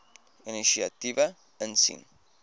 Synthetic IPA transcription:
inisiat̪iβa | ənsḭŋ

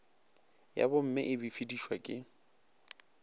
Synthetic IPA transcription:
ja̰bʊm̩mɪʔɪbɪfidiʃwakʼɪ

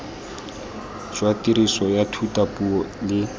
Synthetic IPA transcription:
d͡ʒwatiɾisɔjatʰutapuɔlɪ

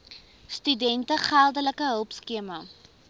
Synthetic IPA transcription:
stydɛntəχælˠdələkəɦəlˠpskiəmə

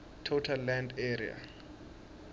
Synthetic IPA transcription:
tʰotʰalːandeɾḭa̰

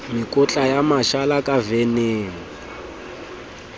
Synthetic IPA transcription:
mikʼɔt͡ɬajamaʃalakʼaveneːni

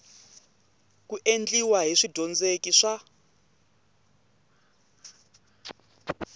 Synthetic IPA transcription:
kuʔend͡ɮiwaɦiʂid̥ʱɔnd͡zekiʂa

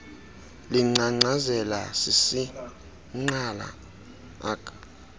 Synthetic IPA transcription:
liŋ͡ǀaŋ͡ǀazɛla̰sisi | ŋ͡ǀala̰ | a̰ːkʼḁ

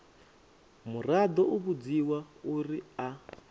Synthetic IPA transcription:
murad̪ɔʔuβud͡ziwauria

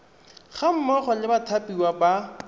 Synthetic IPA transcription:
χam̩mɔχɔlɪbatʰapiwaba

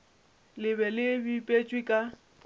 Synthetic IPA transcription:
lɪβɛlɪbipʼet͡ʃʼwikʼa

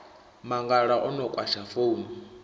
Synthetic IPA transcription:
maŋɡaɺaʔɔnɔkʼwaʃafounu

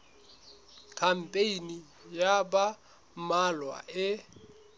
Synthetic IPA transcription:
kʰam̩pʼeini | jaba | malwa̰ʔɪ

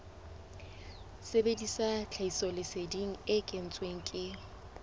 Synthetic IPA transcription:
sebedisat͡ɬʰaisɔlɪsediŋ̩ɪkʼɪn̩t͡sʼweŋ̩kʼɪ

